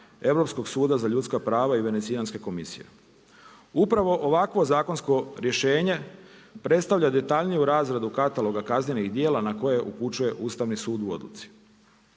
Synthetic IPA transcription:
e̞ʋɾo̞psko̞ɡsuːd̪azaʎut̪skapɾaːʋaiʋe̞net̪sianske̞ko̞misḭjḛ | upɾaʋo̞ʔoʋakʋo̞zaːkonsko̞ɾje̞ʃe̞ːɲe̞pɾe̞t̪st̪aʋʎad̪e̞t̪aʎnijuɾaːzɾad̪ukat̪alo̞ɡakazɲeniɣd̪je̞ːlanako̞je̞ʔuput͡ʃuje̞ʔuːst̪aʋnisuːd̪uo̞̰d̪lṵt̪si̥

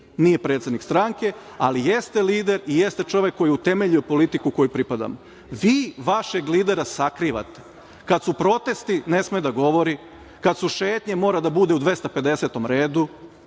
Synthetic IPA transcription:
nije̞pɾet̪sed̪nikst̪ɾaŋke̞ | a̰lijest̪eliːd̪e̞ɾijest̪e̞t͡ʃo̞ʋe̞kːo̞jiut̪e̞me̞ʎujepo̞lit̪ikuko̞jupɾipad̪a̰mo | ʋiːʋaʃe̞ɡliːd̪e̞ɾasakɾiːʋa̰t̪e̥ | kad̪supɾo̞t̪e̞st̪ine̞smed̪aɡo̞ʋo̞ɾi | kat̪suʃe̞ːt̪ɲemo̞ːɾad̪abud̪e̞ud̪ʋe̞st̪ape̞d̪e̞set̪o̞mɾeːd̪u

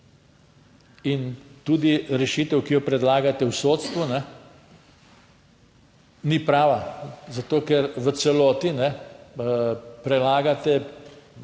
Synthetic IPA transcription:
int̪uːd̪iɾɛʃit̪ɛwkijɔpɾɛd̪laːɡat̪ɛwsot̪st̪ʋunɛ | nipɾaːʋazat̪oːkɛɾʋəsɛloːt̪inɛ | pɾɛlaːɡat̪ɛ

